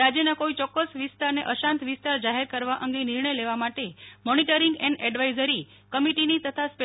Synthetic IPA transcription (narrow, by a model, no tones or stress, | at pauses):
ɾad͡ʒjənakoit͡ʃɔkːəsʋɪst̪aɾneʔəʃãnt̪ʋɪst̪aɾd͡ʒaɦeɾkəɾʋaʔə̃ŋɡeniɾɳəjleʋamaʈemɔniʈəɾiŋɡɛɳɖɛɖʋaizəɾi | kəmiʈinit̪ət̪ʰaspe